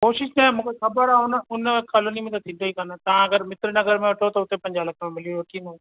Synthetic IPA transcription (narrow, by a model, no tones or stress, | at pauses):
koːʃɪʃnɛ̃ːmũːkekɐbəɾaːonʊnkaloːnimẽlt̪at̪ɪnɖ̪oːikɐɾnat̪aãɐɡəɾmɪt̪ɾnɐɡəɾmẽʊʈʰot̪oʊt̪ːẽpɐ̃ɲd͡ʒaːləkmẽmɪliooːʈiːnoː